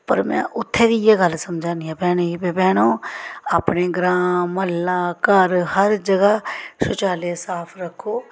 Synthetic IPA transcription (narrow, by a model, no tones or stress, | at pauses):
pəɾmɛ̰̃ːʔʊt̪ʰːeːd̪ijeɡəlsəmd͡ʒʱãːniãːbɛːñoiːpepɛːɽ̃õːaːpneːɡɾãːməlːãːkəɾhəɾd͡ʒəɡəʃʊt͡ʃaːlesaːpʰɾəkʰːoː